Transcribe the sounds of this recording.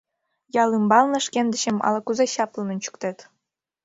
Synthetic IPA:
jɑlˠɯmbɑlˠnɤ̆ʂkʲend̪ʲɘ̆ɕɘ̆mɑ̰lˠɑkuzeɕɑplˠɤ̆nɤ̆nt͡ɕu̥kt̪et̪ʲ

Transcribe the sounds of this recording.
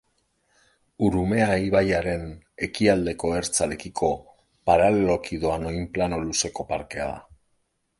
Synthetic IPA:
uɾume̞aiβajaɾe̞n | e̞kiald̪e̞ko̞e̞ɾt͡sale̞kikʰo̞ | paɾale̞lo̞kiðoano̞jmplano̞luse̞ko̞paɾke̞a̰ða̰

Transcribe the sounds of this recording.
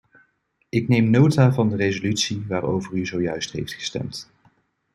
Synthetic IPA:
ɪknejmnowtaːvɑndərezolytsiʋaːro̰wvəryzowjœɥstɦḛjftχə̥stɛ̰mt

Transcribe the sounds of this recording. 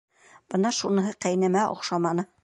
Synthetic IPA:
b̥ɤnɑʃunɤ̆ɦɤqæjnæmæʔo̰qʃɑmɑnɤ

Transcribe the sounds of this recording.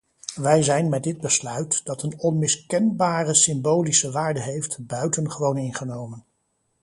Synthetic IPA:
ʋɛjzɛjnmɛt̚dɪd̚bəslœɥtd̥ɑtənɔnmɪskɛnbaːrəsɪmbowlisəʋaːɹdəɦejftbœɥtənχəʋownɪnχənowmən

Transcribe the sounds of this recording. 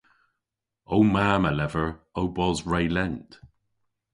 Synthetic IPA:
owmaːmalɛvəɹowbɔzɹejlɛnt

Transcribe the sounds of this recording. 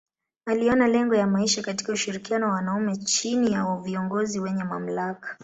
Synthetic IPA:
aliɔnalɛŋɡɔjamaiʃakati̥kauʃiɾikianɔwawanaumɛt͡ʃinijaviɔŋɡɔziwɛɲɛma̰m̩lakḁ

